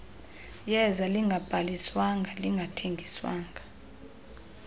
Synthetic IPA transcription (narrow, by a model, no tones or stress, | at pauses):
jɛzaliŋɡʱab̥ʱaliswaŋɡʱaliŋɡʱatʰeŋɡʱiswa̰ːŋɡʱa